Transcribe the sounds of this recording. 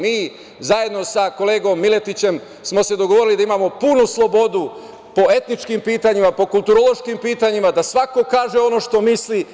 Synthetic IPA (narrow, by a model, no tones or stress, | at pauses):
miː | zaje̞d̪no̞sako̞le̞ːɡo̞mːile̞t̪it͡ɕe̞m | smo̞se̞d̪o̞ɡoʋoɾilid̪aimamo̞punuslˠo̞bo̞d̪u | po̞e̞t̪nit͡ʃkimpiːt̪aɲimapo̞kulˠt̪uɾolˠo̞ʃkimpiːt̪aɲimad̪asʋako̞kaːʒe̞o̞no̞ʃt̪o̞misli